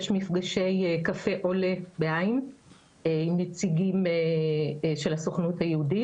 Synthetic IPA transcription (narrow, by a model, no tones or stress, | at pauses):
jʃmifɡaʃe̞jkafe̞ʔolebeaim | enet͡siɡime | ʃelasoχnuthajeudi